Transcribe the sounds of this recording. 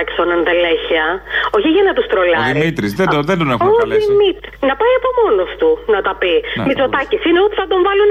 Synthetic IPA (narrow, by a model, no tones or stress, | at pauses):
ɐci̥sonɐnðeleçiɐoçiʝɐnɐt̪ust̪ɾolɐðiɾimit̪ɾizðeoðed̪onexoimit̪nɐpɐiɐpo̞mo̞nost̪unɐt̪ɐpimit͡so̞t̪ɐcisineot̪iθɐd̪o̞ɱvɐlun